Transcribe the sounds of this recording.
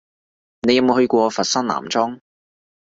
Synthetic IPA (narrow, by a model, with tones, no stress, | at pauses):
ne˨˧jɐ˨mo˨˧hɵ˧ɥkʷɔː˧fɐ˨t̚sɐ˥nla̰ː˨˩mt͡sɔː˥ŋ